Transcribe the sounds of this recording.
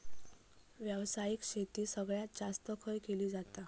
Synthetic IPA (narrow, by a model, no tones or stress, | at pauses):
ʋjəʋsajiːkɕet̪iːsəɡɭjat̪̚d͡zast̪əkʰəjkeliːd͡zat̪a